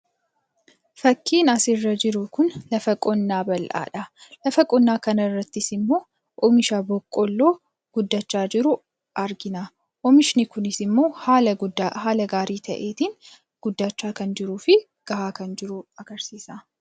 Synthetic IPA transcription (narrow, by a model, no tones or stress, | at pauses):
fɐkːiːnɐsɪrːɐd͡ʒɪɾʊkʊnlɐfɐkʼɔnːaːbɐlʔa̰ːᶑɐlɐfɐkʼɔnːaːkɐnɐrːɐt̪ːɪsɪmːo̞ː | ʔɔmɪʃabɔkʼːɔlːoː | ɡ̥ʊd̪ːɐt͡ʃːaːd͡ʒɪɾʊ | ʔɐɾɡɪnɐ | ʔɔmɪʃɪnɪkʊnɪsɪmːo̞ːhaːɐd̪aɦaːlɐɡaːɾiːt̪ɐ̰ʔe̞ːt̪in | ɡ̥ʊd̪ːaːt͡ʃːaːkɐnd͡ʒɪɾuːfɪ | ɡ̥ɐhaːkɐnd͡ʒɪɾʊɐɡ̥ɐɾsiːsɐ